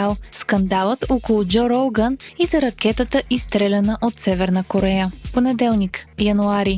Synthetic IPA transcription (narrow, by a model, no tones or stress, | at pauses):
alˠskɐnd̪alˠət̪okolˠʊd͡ʒɔɾowɡənizɐɾɐk̟ɛt̪ət̪əʔist̪ɾɛlʲɛnəʔot̪sɛvɛɾnəkoɾɛjəponɛd̪ɛlˠnikjɐnuaɾi